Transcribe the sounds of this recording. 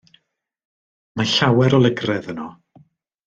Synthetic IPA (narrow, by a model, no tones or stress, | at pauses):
maɬawɛɾɔlˠəɡrɛðənɔ